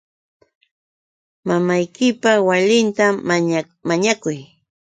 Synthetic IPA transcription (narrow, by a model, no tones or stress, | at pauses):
mamajkɪpawalɪnt̪a | maɲakʊj